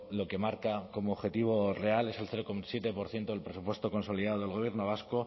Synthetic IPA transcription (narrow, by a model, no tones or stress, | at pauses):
lo̞ke̞maɾkako̞moːβxe̞t̪iβ̞o̞re̞ale̞selθe̞ɾokomasje̞t̪e̞po̞ɾθje̞nt̪oelpɾe̞supwest̪o̞ko̞nsoliðaðoð̞e̞lɣo̞β̞je̞ɾno̞β̞asko